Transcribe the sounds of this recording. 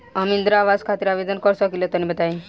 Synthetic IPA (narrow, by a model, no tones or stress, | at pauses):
əmind̪ɾaʋad͡zkʰat̪iɾaʋed̪ənkɔɾsɔkilət̪ənibət̪ai